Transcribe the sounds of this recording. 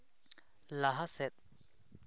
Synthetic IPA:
laɦasɛt̪̚

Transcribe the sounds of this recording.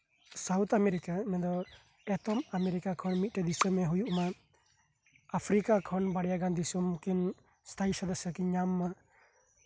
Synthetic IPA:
sawt̪ʰamɛɾikamɛd̪ɔ | ɛt̪ɔmamɛɾikakʰɔnmit̪̚ˀʈɛd̪isɔmɛɦujuʔma | apʰɾikakʰɔnbaɽjaɡand̪isumkin | st̪ʰajsɔd̪ɔsakiɲamːa

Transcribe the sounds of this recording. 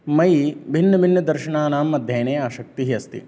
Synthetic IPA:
mɐjbʱinːɐbʱinːɐd̪ɐɾʃɐɳaːnaːmːɐd̪ʱjeːneːaːʃɐk̚t̪iɦiɐst̪ḭ

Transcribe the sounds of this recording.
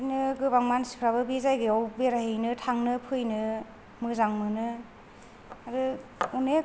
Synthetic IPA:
nɯɡɯbaŋmansi̥pʰɾaβɯbizajɡɯawbeɾaɦejnɯtʰaŋnɯpʰɯjnɯ | mɯzaŋmɯnɯ | aɾɯune

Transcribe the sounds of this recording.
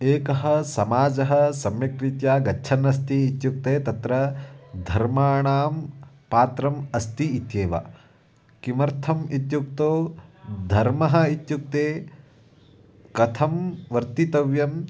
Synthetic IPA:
eːkɐɦɐ̆sɐmaːd͡ʒɐɦɐ̆sɐmjɐkɾit̪jaːɡɐʃʰɐnːɐs̬t̪iːt̪juk̚t̪eːt̪ɐt̪ɾɐd̪ʱɐɾmaːɳaːm | paːt̪ɾɐmɐst̪iit̪jeːʋa̰ | kimɐɾt̪ʰɐmit̪juk̚t̪oːd̪ʱɐɾmɐɦɐ̆it̪juk̚t̪eː | kɐt̪ʰɐmʋɐɾt̪it̪ɐʋjɐm

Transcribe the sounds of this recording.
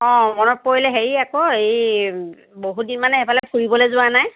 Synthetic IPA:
ɔ̃mɔnɔpɔilɛɦeɹiakɔej | boɦudinmanɛɦɛbalɛpʰuɹibɔlɛzʊanaj

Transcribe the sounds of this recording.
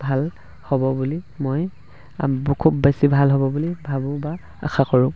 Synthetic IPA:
bʱal | hɔbɔbulimoj | bkʰubːesibʱalɦɔbɔbulibʱabʊ̃ba | a̰xakɔɹʊ̃

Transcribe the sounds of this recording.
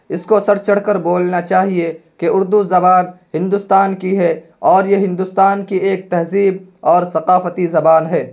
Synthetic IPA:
ɪskosɐɾt͡ʃɐɽkəɾboːlnat͡ʃaːɦiekeʊɾd̪uzɐbaːnɦɪ̃nd̪ʊst̪aːnkiɦɛ | ɔːɾjeɦɪ̃nd̪ʊst̪aːnkieːk̚t̪ɛɦziːbɔːɾsɐqaːfət̪izɐbaːnɦɛː

